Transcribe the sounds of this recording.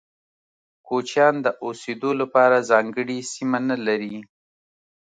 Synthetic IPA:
kot͡ʃjɑnd̪əʔosed̪olapɑɾazɑŋɡəɽisimanalaɾi

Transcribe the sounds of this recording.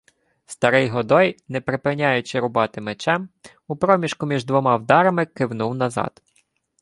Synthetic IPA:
st̪ɐɾɪjɦɔd̪ɔjnɛpɾɪpɪnʲajʊt͡ʃɪɾʊbɑt̪ɪmet͡ʃɛm | upɾɔmʲiʃkʊmʲiʒd̪ʋɔmɑwd̪ɑɾɐmɪkɪwnuwnɐzɑ̰d̪̥

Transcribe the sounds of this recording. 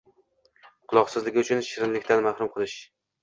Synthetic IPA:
qʰʊlˠɒqsɪzlɪɡʲɪʊt͡ʃʰʊnʃɪɾɪnlɪkʲt̪ʰanmahɾʊmqʰɨlˠɪʃ

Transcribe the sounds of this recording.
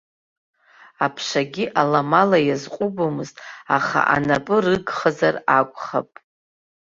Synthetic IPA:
apʰʂaɡʲiʔalamalajazqʷʼubomɨztʼaχa̰ʔa̰napʼɨrɨɡχazarakʷʼχa̰pʼ

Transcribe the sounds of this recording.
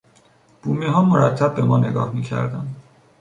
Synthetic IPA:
b̥uːmiːɦɒːmoɾæt̪ʰːæb̚ːe̞mɒːne̞ɡɒ̰ːhmiːcʰæ̰ɾd̪ænd̪

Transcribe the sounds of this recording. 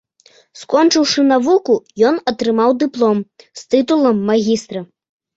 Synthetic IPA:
skɔnt͡ʂɨwʂɨnavukujɔnɐt̪ɾɨmawd̪ɨplˠɔmst̪ɨt̪ulˠɐmːaɣʲist̪ɾɐ

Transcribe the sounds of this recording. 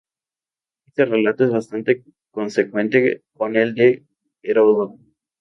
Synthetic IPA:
est̪erelat̪oezβast̪ant̪e | konsekwẽnt̪ekoneld̪e | eɾoðo

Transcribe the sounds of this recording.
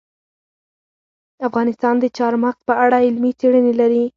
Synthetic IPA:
afɣɑnɪst̪ɑnd̪ət͡ʃɑɾmaxt̪̚pəaɽaɪlmit͡seɽənelaɾi

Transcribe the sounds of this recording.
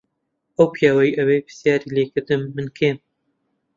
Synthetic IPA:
ʔɐwpʰjaːwɐjiʔɐweːpʰɨ̥sjaːɾiːleːkɨɾd̪ɨnːɨnkʰeːn

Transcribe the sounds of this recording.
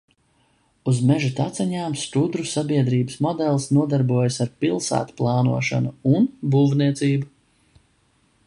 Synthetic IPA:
uzmɛʒut̪at̪sɛɲaːmst̪ud̪ɾusabiɛd̪ɾiːbəsmɔd̪ɛlˠsnuɔd̪aɾbuɔjasaɾpilˠsæ̰ːt̪u̥plˠɑːnṵɔʃa̰nuunbuːvniɛt̪siːbu

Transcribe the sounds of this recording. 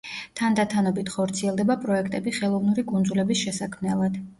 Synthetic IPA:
t̪ʰand̪at̪ʰanɔbit̪ʰχɔɾt̪sʰiɛlˠd̪ɛbapʼɾɔɛkʰt̪ʼɛbiχɛlˠɔvnuɾikʼunzulɛbisʃɛsakʰmnɛlˠad̪̥

